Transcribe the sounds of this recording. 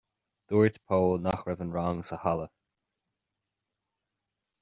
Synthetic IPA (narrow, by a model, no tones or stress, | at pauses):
d̪̥uːɹt̪pʰoːlnaxɹɛvənɹaŋsəhalə